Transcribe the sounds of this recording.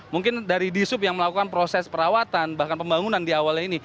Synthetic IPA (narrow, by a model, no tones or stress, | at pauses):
muŋkɪndaɾidisʊpjaŋməlakukanpɾosɛspəɾawat̪anbahkanpəmbaŋunandiawalini